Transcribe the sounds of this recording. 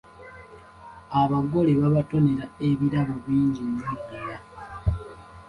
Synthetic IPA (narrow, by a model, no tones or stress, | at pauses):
aβaɡo̞leβaβato̞ne̞ɾae̞βiɾaβoβiːɲɟinːidaja